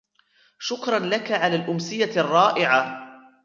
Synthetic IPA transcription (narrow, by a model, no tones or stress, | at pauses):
ʃʊkɾˤɑnlakaʕalaːlʔʊmsɪjarˤːɑːʔɪʕa